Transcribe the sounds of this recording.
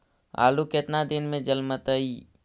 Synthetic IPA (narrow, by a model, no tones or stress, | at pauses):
a̰ːluket̪nad̪ɪnmẽd͡ʒəlmət̪əi